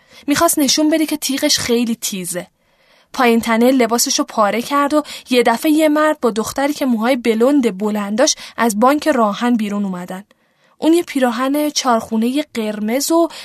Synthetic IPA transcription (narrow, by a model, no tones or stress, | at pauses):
miːxɒst̪ne̞ʃunbe̞d̪icʰe̞t̪ʰiːɣe̞ʃχe̞jliːt̪ʰiːze̞ | pʰɒːjint̪ʰænelːe̞bɒːse̞ʃopʰɒːɾe̞cʰæɾd̪o̞je̞d̪æfe̞je̞mæɾd̪̚bɒːd̪oxt̪æɾiːcʰe̞muːɦɒːjebe̞lond̪e̞bolænd̪ɒːʃʔæzbɒːŋcʰe̞ɾɒːhænbiːɾunuːmæd̪æn | ʔunjepʰiːɾɒːɦæne̞t͡ʃʰɒːɾxune̞je̞ɢe̞ɾme̞zo